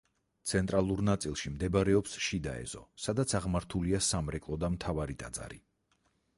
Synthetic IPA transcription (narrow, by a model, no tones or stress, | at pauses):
t̪sʰɛnt̪ʼɾalˠuɾnat̪sʼilˠʃimd̪ɛbaɾɛɔpsʃid̪a̰ɛ̰z̥ɔ̰sad̪at̪sʰaʁmaɾt̪ʰuliasamɾɛkʼlˠɔd̪amt̪ʰavaɾit̪ʼad̪za̰ɾi